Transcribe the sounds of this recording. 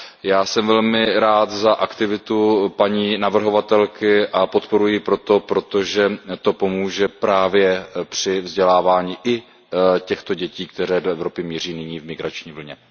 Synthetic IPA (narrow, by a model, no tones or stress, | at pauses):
jaːsɛmvɛlmɪɾaːt̪zaʔakt̪ɪvɪt̪upaɲiːnavr̩ɦo̞vat̪ɛlkɪʔapo̞t̪po̞ɾujɪpɾo̞t̪o̞pɾo̞t̪o̞ʒɛt̪o̞po̞muːʒɛpɾaːvjɛpr̝̥ɪvzɟɛlaːvaːɲiːʔɪ | cɛxt̪o̞ɟɛciːk̚t̪ɛɾɛːdoɛvɾo̞pɪmɲir̝iːnɪɲiːvmɪɡɾat͡ʃɲiːvl̩ɲɛ